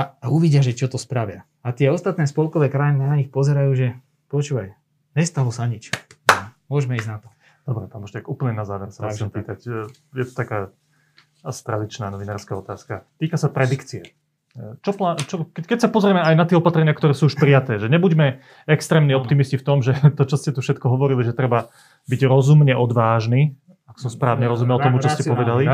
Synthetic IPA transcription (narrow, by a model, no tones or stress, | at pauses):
aauʋiɟɪaʒɛt͡ʃɔt̪ɔspɾaʋɪa | at̪ɪɛɔst̪at̪nɛːspɔlkɔʋɛːkɾajininaɲixpɔzɛɾajuːʒɛ | pɔt͡ʃuːʋaj | ɲɛst̪alɔsaɲit͡ʃ | mʊɔʒmɛiːznat̪ɔ̥ | d̪̥ɔbɾɛpanbɔʃcakuːpl̩ɲɛnazaːʋɛɾsavaʒɛmpiːt̪acjɛt̪ɔ̥t̪akaː | asi̥t̪ɾa̰d̪it͡ʃnaːnɔʋinaːɾskaɔt̪aːskat̪iːkasapɾɛd̪ikt͡siɛ | t͡ʃɔplat͡ʃɔkɛkɛcsapɔzɾɪɛmɛajnat̪ɪɛɔpat̪ɾɛɲɪakt̪ɔɾɛːsuːuʃpɾijat̪ɛːʒɛɲɛbuɟmɛ | ɛkst̪ɾɛːmniɔpt̪imiscift̪ɔmʒɛt̪ɔt͡ʃɔscɛt̪ufʃɛt̪kɔɦɔʋɔɾiliʒɛt̪ɾɛba | biɟɾɔzumɲɛʔɔd̪ʋaːʒniː | aksɔmspɾaːʋɲɛɾɔzumɛlˠɔmut͡ʃɔscɛpɔʋɛd̪ali